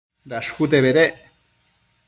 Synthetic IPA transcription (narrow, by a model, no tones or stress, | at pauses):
ɾaʃxut̪eβeɾeʔ